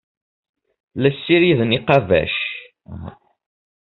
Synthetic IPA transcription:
læsːiɾiðniqɑvæ̰ʃ

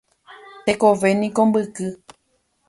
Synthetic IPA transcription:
t̪ekoʋe̞nĩkombɨkɨ

